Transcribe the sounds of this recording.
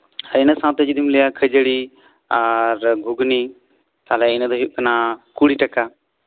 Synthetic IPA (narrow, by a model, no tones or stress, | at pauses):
əɾɪnəsãːt̪əd͡ʒid̪ɪmlejaːkʰəd͡ʒɽiː | aɾɡʱʊɡniː | t̪aːlɛɪnəd̪oːɦɪkənaːkuːɽiːʈəkaː